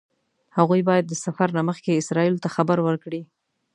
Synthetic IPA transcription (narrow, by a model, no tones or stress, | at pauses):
haɣujbɑjad̪ːəsafaɾnaməxkeɪsɾɑilot̪axabəɾwəɾkɽi